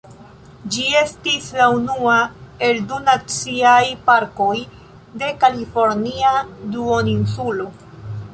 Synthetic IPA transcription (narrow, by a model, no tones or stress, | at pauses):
d͡ʒie̞stislaunuae̞ldunat͡siajpaɾko̞j | de̞kalifo̞ɾniaduoninsulo̞